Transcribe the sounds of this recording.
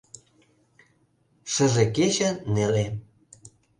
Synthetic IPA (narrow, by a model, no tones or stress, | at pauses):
ʃə̆ʒeket͡ɕə̆nele